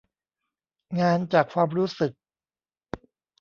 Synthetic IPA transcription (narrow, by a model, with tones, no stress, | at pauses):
ŋaː˧nt͡ɕaː˨˩kʰːwaː˧mɾuː˦˥sɯ˨˩k̚